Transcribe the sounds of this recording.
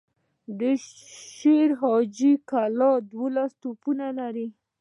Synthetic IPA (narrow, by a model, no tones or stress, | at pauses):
d̪əʃeɾɦɑd͡ʒikalɑd̪wolast̪opunalaɾi